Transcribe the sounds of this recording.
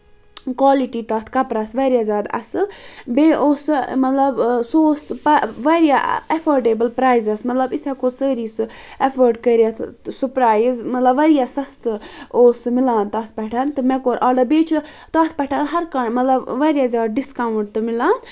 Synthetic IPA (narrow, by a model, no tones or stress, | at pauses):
kaːliʈit̪aːt̪ʰkɐpɾasʋɐːɾjaːzʲjaːd̪ɐ̰sɨbeːʔoːsɨmɐt̪lɐbsoːspɐʋɐɾijaɐfʰoːɾɖeːbəlpɾaːjzɐsmɐt̪lɐbisakosəːɾiːsɨ | efʰəɾɖkəɾjat̪ʰsupɾaːjzmɐt̪lɐbʋɐɾijasɐst̪ɨoːsɨmilaːnt̪ɐːt̪ʰpɐʈʰant̪ɨmɛkoːɾʔaːɖɐbeːt͡ʃʰu | t̪aːt̪ʰpɛʈʰanɦɐɾkɐɳmɐt̪lɐbʋɐɾjazʲjaːd̪̚ɖiskawɳʈ̚t̪ɨmilaːn